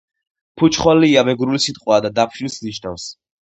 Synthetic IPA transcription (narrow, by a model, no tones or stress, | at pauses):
pʰut͡ʃʰχwaliːamɛɡɾulisit̪ʼqʼwaːd̪ad̪apʰʃilsniʃnafs